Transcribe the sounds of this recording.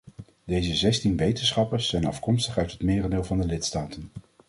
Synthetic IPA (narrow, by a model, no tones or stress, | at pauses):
dejzəzɛstinʋejtənsχɑpəɹsːɛjnɑ̰fkɔmstəχœɥtɦətmɪːrədɪːlˠvɑndəlɪtstaːtən